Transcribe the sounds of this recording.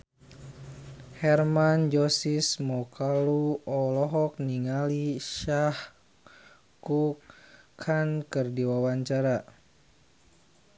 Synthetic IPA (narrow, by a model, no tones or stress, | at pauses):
hɛrmand͡ʒɔsismɔkaluɔlɔɦɔk̚niŋaliʃah | kukkʰankɨrdiwawaɲt͡ʃaɾa